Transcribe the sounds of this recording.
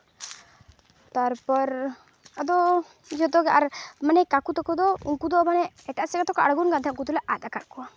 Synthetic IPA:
t̪aɾpɔɾ | ad̪ɔ | d͡ʒɔd̪ɔɡʔaɾmanɛkakut̪ɔkɔd̪ɔuŋkud̪ɔʔmanɛɛʈaʔsɛɡat̪ɔkaʔaɽɡunɡant̪ʰɛuŋkut̪ulɛʔad̪akaʔkua

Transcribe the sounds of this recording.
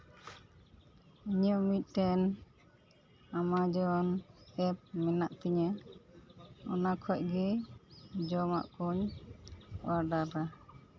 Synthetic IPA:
iɲɔʔmit̪̚ˀʈɛn | amad͡ʒɔnɛp̚mɛnaʔt̪iɲa | ɔnakʰɔc̚ɡɛ | d͡ʒɔma̰ʔkɔɲ | waɾɖaɾa

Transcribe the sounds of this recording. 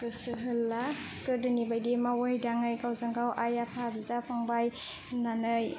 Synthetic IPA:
ɯsɯɦɯlːa | kɯdɯnibajdimawajdaŋɯjkawzaŋɡawʔajapʰazɯtapʰaŋbaj | nanɯj

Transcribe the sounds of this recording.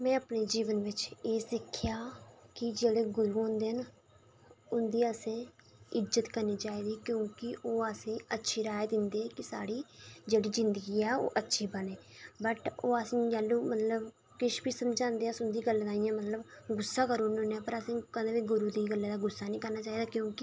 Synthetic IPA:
mɛ̃ːəpneːd͡ʒiːʋənʋɪt͡ʃeːsɪkʰːjaːkɪd͡ʒeːɽeːɡʊɾuːɦõːnd̪eːɦən | ʊnd̪iːəsẽː | ɪzət̪kəɾniːt͡ʃaːiːd̪iːkjõːkɪʔoːəsẽːətːʃʰiːɾaːjd̪ɪnd̪eːkɪsa̰ːɽiːd͡ʒeːɽiːzɪnd̪əɡiːɛːo̰ːʔətːʃʰiːbəɽeːbəʈoːəsĩːd͡ʒɛːlːũːmət̪ləb | kɪʃbiːsəmd͡ʒãːnd̪eːãsʊnd̪iːɡəlːd̪aːijãːmət̪ləbɡʊsːaːkəɾoːnõːneãːpəɾəsẽːkəd̪eːʋiːɡʊɾuːd̪iːɡəlːeːd̪aːɡʊsːaːnĩːkəɾnaːt͡ʃaːiːd̪aːkjõːkɪ

